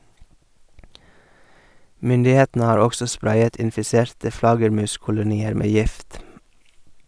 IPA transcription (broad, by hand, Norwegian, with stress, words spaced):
ˈmʏndɪˌheːtn̩ə ˈhɑːɾ ˈɔɡsɔ ˈspɾɑɪət ɪnfɪˈsɛɾtə ˈflɑɡəɾˌmʉːskʊlʊˌniːəɾ ˈmeː ˈjɪft